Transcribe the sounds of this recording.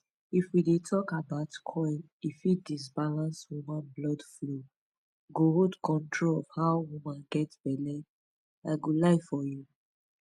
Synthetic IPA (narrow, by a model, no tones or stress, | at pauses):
ifwidetʰɔkabaʊtkʰɔ | ifidis̬balãnswumãnblɔdflo | ɡohodkɔ̃ntɹolɔvhaʊwumãnɡɛtb̥ɛlɛ | aɪɡolaɪfɔju